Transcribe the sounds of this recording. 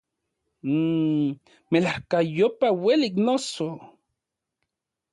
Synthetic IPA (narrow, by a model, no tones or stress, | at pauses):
melahkajopaweliːk̬noso